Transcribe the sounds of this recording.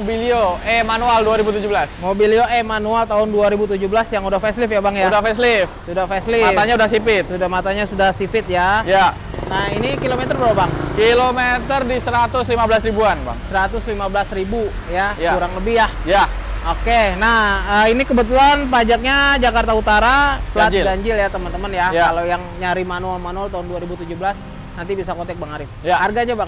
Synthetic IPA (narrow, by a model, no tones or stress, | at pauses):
obilioɛmanualduaɾibut̪ud͡ʒubəlasmobilioʔɛmanualt̪aɦʊnduaɾibut̪ud͡ʒuhbəlasjaŋudahfɛslɪfjabaŋjadafɛs̬lɪfsudahfɛslɪmat̪aɲaudahsifɪt̪udahmat̪aɲasudahsifɪt̪̚jaja | nainikilomet̪ərbəɾabaŋkilomet̪ərdisəɾat̪ʊslimabəlasribuanba̰ŋsəɾat̪ʊslimabəlasribu | jajkauɾaŋləbihjahja | okenahəinikəbət̪ulanpad͡ʒak̚ɲad͡ʒakart̪aut̪aɾaatd͡ʒd͡ʒaɲd͡ʒɪljat̪əmənt̪əmənjajalojaŋɲaɾimanualmanualt̪aʊnduaɾibut̪ud͡ʒubəlas | nant̪ibisakot̪ɛk̚bəŋaɾɪfjaharɡaɲabaŋ